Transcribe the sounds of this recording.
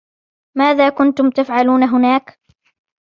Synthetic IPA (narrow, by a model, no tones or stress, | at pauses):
maːðaːkʊnt̪ʊmt̪afʕaluːnaɦʊnaːk